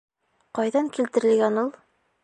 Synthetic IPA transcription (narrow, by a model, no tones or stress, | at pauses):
qɑjðɑŋkilt̪ɘ̆ɾɘ̆lɡænulˠ